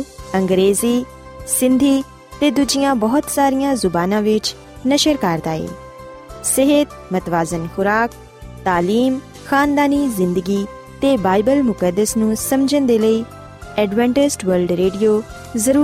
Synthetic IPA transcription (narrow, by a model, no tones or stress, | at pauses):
əŋɡɾeːziː | sɪ̃nd̪ʱiː | t̪eːd̪ud͡ʒɪjãːbɔːt̪saːɾijãːzʊbaːnãːʋɪt͡ʃ | nəʃəɾkaːɾd̪a̰ːḛː | səɦət̪ | mət̪ʋaːzənxʊɾaːk̚ | t̪aːliːm | xaːnd̪aːniːzɪ̃nd̪əɡiː | t̪eːbaːɪbəlmʊkəd̪ːəsnũːsəmd͡ʒənd̪eːləiː | ɛːɖʋɛ̃ːɳʈɪsʈʋəɾlɖɾeːɖijoː | zəɾuː